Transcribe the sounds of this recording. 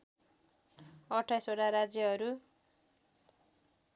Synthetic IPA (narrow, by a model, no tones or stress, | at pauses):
ʌʈʰajsoɽaɾad͡zjʌɦʌɾu